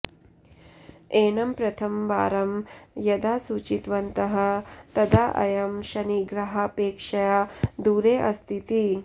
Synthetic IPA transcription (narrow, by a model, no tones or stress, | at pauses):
eːɳɐmpɾɐt̪ʰɐmʋa̰ːɾɐmjɐd̪aːsuːt͡ʃit̪ʋɐnt̪ɐɦɐ̆t̪ɐd̪aːʔɐ̰jɐmʃɐniɡɾɐɦapeːkʂɐjaːd̪uːɾeːʔɐst̪ʰit̪i